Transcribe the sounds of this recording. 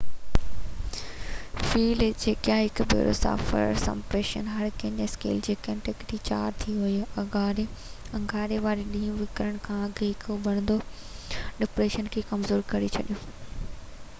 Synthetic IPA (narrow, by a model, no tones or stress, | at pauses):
fiːld͡ʑeːkjãːɦɪkbḛːɾo̰ːsa̰ːfə̰ɾsɐ̰mpɾeːʃə̰nɦɐɾkɐ̃ɲeskḛːld͡ʑeːkɐ̃nʈɪkt̪it͡ɕa̰ːɾt̪ʰiɦʊiɐaɾe | ɐ̃ŋɡʱaːɾeʋaːɾeɗĩːũʋɪkɾəɽ̃kʰãːɐɡʱɦɪkbɐɽ̃nd̪o | ɗɪpɾeːʃənkʰeːkɐmzoːɾkɐɾit͡ɕʰɐɗijoː